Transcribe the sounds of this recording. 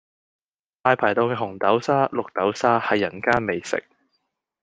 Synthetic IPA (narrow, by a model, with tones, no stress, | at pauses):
t̪aː˧jpʰaː˨˩jt̪o˧wkɛː˧ɦʊ˨˩ŋt̪ɐ˨˥wsaː˥lʊ˨k̚t̪ɐ˨˥wsaː˥hɐ˨jːɐ˨˩nkaː˥nme˨jsɪ̰˨k̚